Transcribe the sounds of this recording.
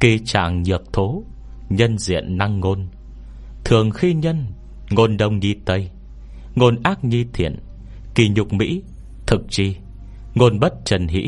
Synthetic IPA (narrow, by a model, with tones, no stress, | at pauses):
ki˧˩t͡ɕa̰ː˧˨ŋɲɨ˨˩ək̚t̪ʰo˨˦ | ɲə˧nzḭ˧˨ənːa˧ŋːo˧n | t̪ʰɨ˨˩əŋxi˧ɲə˧n | ŋo˧nɗə˧wŋ͡mɲi˧t̪ə˧j | ŋo˧nʔaː˦˥k̚ɲi˧t̪ʰḭ˧˨ən | ki˨˩ɲʊ˨˩k͡p̚mḭ˧˥ | t̪ʰɨ˨˩k̚t͡ɕi˧˩ | ŋo˧nɓə˦˥t̚t͡ɕə˨˩nɦḭ˧˥